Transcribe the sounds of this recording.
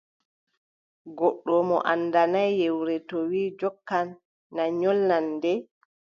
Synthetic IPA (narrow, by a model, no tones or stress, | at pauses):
ɡɔɗːɔmɔ̰ʔandanajːewɾɛtɔwiːd͡ʒɔkːanː | aɲɔlːandɛ